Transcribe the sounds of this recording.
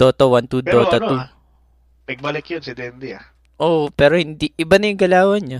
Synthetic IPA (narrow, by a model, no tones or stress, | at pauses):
d̪̥oːt̪ɐwant̪udd̪oːt̪ɐnt̪u | nɐɡ̚bɐlɪkjonsɪd̪ɛnd̪ɛɐ | ʔoʔpɛːɾohɪnd̪iʔɪbanɐjʊŋɡɐlaːwɐɲɐ